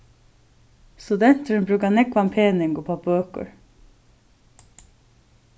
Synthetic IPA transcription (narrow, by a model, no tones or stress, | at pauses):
st̪ʉd̪ɛnt̪əɳbɾʉːkɑnɛkʋɑmpʰeːnɪŋɡoːpʰɑbøːkə̰ɹ